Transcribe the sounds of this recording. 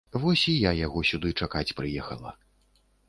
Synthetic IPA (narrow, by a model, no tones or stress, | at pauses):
vɔsʲijajaɣɔsʲud̪ɨt͡ʂakat͡sʲpɾɨjɛxɐ̰lˠɐ̰